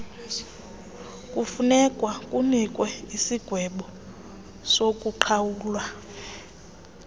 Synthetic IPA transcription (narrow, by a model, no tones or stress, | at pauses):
kʼufunɛkʼwakʼunikʼwɛisiɡ̥ʱwɛɓɔ | sokʼuǃʰawuːlwa